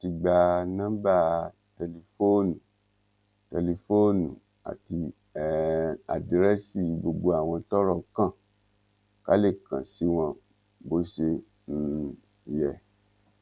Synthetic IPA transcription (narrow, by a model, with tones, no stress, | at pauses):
ti˨˧ɡ͡ba˧nã˦ba˦˨ | tɛ˨li˧˨fo˦nũ˨ | tɛ˨li˧fo˦nṵ̃˨ | a̰˨ti˧˦ | a̰˨dɾɛ˦si˦˨˦bo˧ɡ͡bo˧a˦˨w̃ɔ̃˧tɔ˦ɾɔ˦˧˨kã˦˨ | ka̰˦le˦˨kã̰˨si˦w̃ɔ̃˧ | bo˦ʃe˧ | n̩˦˨ | jɛ˨